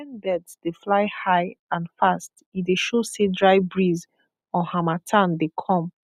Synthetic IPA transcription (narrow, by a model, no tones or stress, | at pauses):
ɛ̃nbɛdzd̥eflaɪhaɪãnfast | ideʃosedɹaɪbɹiz | ɔ̃hamatʰãndekʰɔ̃m